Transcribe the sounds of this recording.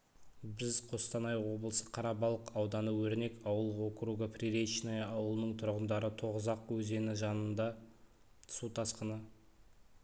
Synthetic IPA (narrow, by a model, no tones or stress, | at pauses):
bɪzqʰost̪ɑnɑjwo̞blˠəsəqʰɑɾɑbɑlˠəqɑwd̪ɑnəwɵɾne̞kɑwəlˠokɾuɡaprʲiɾeʃnajɑwəlˠənəɴt̪ʰʊɾʁənd̪ɑɾət̪ʰo̞ʁəzɑqwɵze̞nɪʒɑnənd̪ɑ | t̪ʰsut̪ʰɑsqənə